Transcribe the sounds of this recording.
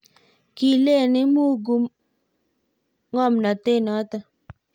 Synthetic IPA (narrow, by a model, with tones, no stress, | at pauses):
ki˨le˦˨ni˦mu˦ɡu˦m | ŋɔ˦˨mna˨te˦˨nɔ˨˦ta˦